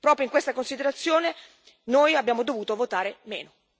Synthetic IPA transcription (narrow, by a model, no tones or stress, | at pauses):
pɾɔːpɾjoiŋkwest̪akonsid̪eɾat̪sːjoːne | noːjabːjaːmod̪ovuːt̪ovot̪aːɾemḛːno